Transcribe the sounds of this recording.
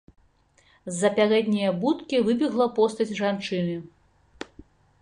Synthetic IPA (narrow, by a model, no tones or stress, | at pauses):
zːɐpʲaɾɛd̪ʲnʲijɐbut̪kʲivɨbʲiɣlˠɐpɔst̪ɐt͡sʲʐant͡ʂɨnɨ